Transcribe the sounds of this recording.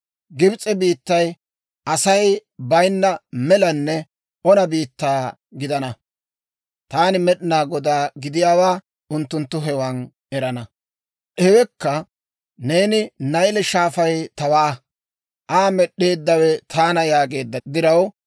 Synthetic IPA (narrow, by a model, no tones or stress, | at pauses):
ɡɪbt͡sʼɛbiːt̪ːɐj | ʔɐsɐjbɐjnːɐmɛlɐnːɛ | ɔnɐbiːt̪ːaː | ɡɪd̪ɐnɐ | t̪aːnɪmɛɗɪnaːɡɔd̪aːɡɪd̪ɪjaːwaː | ʔʊnt̪ːʊnt̪ːʊɦɛwan | ɛɾɐnɐ | ʔɛwɛkːɐ | ne̞ːnɪnɐjlɛʃaːfɐjt̪ɐwaː | ʔaːmɛɗːe̞ːd̪ːɐwɛt̪ʰaːnɐjaːɡe̞ːd̪ːɐd̪ɪɾɐw